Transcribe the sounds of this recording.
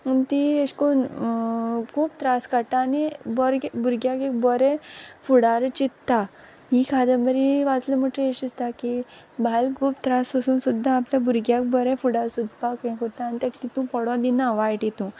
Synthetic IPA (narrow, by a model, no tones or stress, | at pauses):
unt̪ieɕkon | kʰuːpt̪ɾaskat̪aːnibɔɾbuɾɡjakek̚bɔɾɛfuɽaɾt͡ɕit̪ːa | ɦikʰad̪əməɾiʋat͡sləməʈɾəeɕist̪aki | bʱalkʰuːp̚t̪ɾasəsuːnsud̪ʱːaːpljabuɾɡjak̚bɔɾɛ̃fuɽaɾsud̪̚ʱpakə̃kɦot̪aːnit̪akt̪it̪ũpɔɽɔ̃d̪inaʋajʈit̪ũ